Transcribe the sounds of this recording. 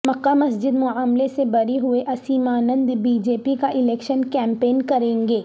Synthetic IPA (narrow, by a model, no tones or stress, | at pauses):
mɐqːamɐsd͡ʒɪd̪mʊaːmlesebɐɾeɦʊeʔɐsiːmaːnə̃nd̪biːd͡ʒeːpikaʔɪlɛːkʃənkɛ̃ːmpeːnkɐɾẽːŋɡeː